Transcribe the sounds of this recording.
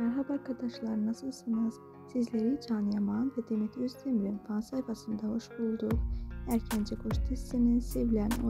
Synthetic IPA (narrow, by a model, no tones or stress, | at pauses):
ɑɾɦɑbɑɾkad̪ɑʃlˠɑɾɯnɑsɯlˠsɯnɑz̥ | sizleɾid͡ʒɑːnjamɑnvɛd̪emit̪ʰøzt̪ʰemɾinfɑnsajfɑsɯnd̪ahoʃbulˠd̪uʁæɾcʰænd͡ʒɛɡoʃt̪ʰisininsevlʲæno